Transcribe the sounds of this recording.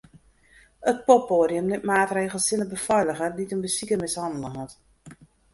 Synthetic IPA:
ət̚pɔpoːɾjəmnɛtmaːtreːɣəlˠsɪnəbəfɔjləɣəditənbəsikəmɪshɑndəlˠəɦɔt

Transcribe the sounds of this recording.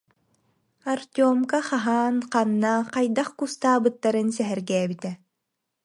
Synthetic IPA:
aɾt̪ʲɔɔmkaχaɦaːnqanːaqajd̪aχkust̪aːbɯt̪ːaɾɯnsɛɦɛɾɡɛːbit̪ɛ

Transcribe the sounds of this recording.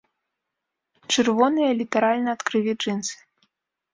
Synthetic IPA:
t͡ʂɨrvɔnɨjɐlʲit̪ɐɾalʲnɐːt̪kɾɨlʲiʐɨnsɨ̥

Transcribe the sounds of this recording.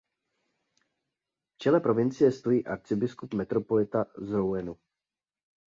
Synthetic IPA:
ft͡ʃɛlɛpɾo̞vɪnt͡sɪjɛst̪o̞jiːʔaɾt͡sɪbɪskupmɛt̪ɾopolɪt̪azɾowɛnu

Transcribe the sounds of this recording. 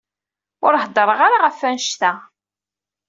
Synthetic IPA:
ʊɾhəd̪ˤəɾˤəʁaɾaʁəfːænʃt̪æ

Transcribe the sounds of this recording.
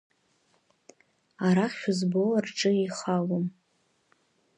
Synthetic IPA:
aɾaχʲʊzbolarʈ͡ʂʼɨiχalom

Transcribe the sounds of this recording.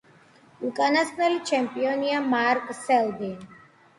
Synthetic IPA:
ukʼanasnɛlit͡ʃʰɛmpʼiɔniamaɾkʼsɛld̪in

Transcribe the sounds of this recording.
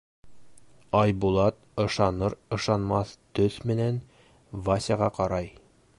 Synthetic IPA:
ɑjbulˠɑt̪̚ɤ̆ʃɑnɤɾɤ̆ʃɑnmɑθt̪ɵθmɘ̆næn | vasʲɑʁɑqɒɾɑj

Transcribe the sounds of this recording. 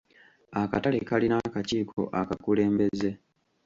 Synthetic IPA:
aka̰tale̞kalinakaciːkʰo̞̰ʔakakule̞ːmbe̞ze̞

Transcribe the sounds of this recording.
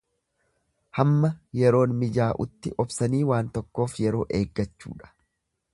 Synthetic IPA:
hɐmːɐjɛɾo̞ːnmɪd͡ʒaːʔʊt̪ːɪʔɔbsɐniːwaːnt̪ɔkːo̞ːfjɛɾo̞ːʔe̞ːɡːɐt͡ʃːṵːᶑɐ̥

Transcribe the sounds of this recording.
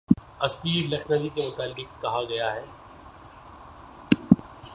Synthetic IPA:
ɐsiːɾlɐkʰnad͡ʒikemʊt̪aːlːɪkkːɐɦaɡɐjaɦɛː

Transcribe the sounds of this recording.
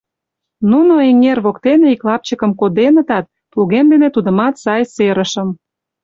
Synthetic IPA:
nunoeŋerβokt̪eneiklɑp̚t͡ɕəkə̆mkod̪enə̆t̪ɑt̪̚ | pluɣemd̪enet̪ud̪ə̆mɑt̪sɑjseɾə̆ʃə̆m

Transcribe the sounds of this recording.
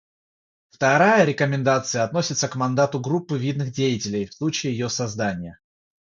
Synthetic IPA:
ft̪ɐɾajəɾʲɪkəmʲɪnd̪at̪sɨjəɐt̪no̞sʲɪt̪səkmɐnd̪at̪ʊɡɾupːɨvʲid̪nɨxdʲejɪtʲɪlʲɪjfslˠut͡ɕɪjɪjɪjosɐzd̪anʲɪjə

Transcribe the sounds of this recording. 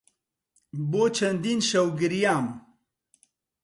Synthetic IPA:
bot͡ʃʰɐnd̪inʃɐwɡiɾijaːm

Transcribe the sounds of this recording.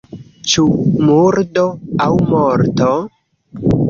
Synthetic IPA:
t͡ʃumuɾdoawmoɾto

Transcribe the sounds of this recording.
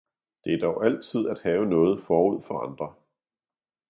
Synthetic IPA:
d̥e̝æd̥ɒʊʔæl̰t͡sʰið̞̰ˠæd̥hɛːʊənɔ̽ːð̞̩ˠfɒːuð̞̰ˠfɒ̽ɑ̈nd̥ʁɐ

